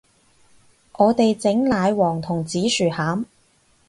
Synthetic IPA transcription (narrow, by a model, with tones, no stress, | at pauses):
ʔɔː˨˧t̪e˨jt͡sɪ˨˥ŋlaː˨˧jwɔː˨˩ŋt̪ʰʊ˨˩ŋt͡siː˨˥syː˨˩haː˨˥m